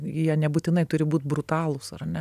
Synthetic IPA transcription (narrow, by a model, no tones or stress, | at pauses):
jiɛnʲɛbʊt̪ʲɪnɐɪt̪ʊɾʲɪbuːt̪bɾʊt̪ɑːlˠʊsɐɾɐnʲɛ